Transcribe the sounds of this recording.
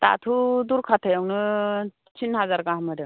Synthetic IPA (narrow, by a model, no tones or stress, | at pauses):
t̪a̰t̪ʰud̪uɾkʰat̪ʰəjəwnə | t͡ɕinɦad͡zaɾɡãɦməɽe